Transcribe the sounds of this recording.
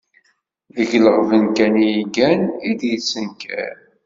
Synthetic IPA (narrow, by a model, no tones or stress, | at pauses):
ðəʝləʁvənkænijiɡænid̪jət͡sːənkæ̰ɾ